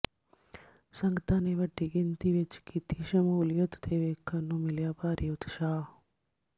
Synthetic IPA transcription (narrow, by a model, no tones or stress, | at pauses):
səŋɡt̪aːneʋəɖːiɡint̪iʋet͡ʃkit̪iʃəmuljod̪t̪eːʋeːkʰənːũmiljapaːɾjut̪ʃaː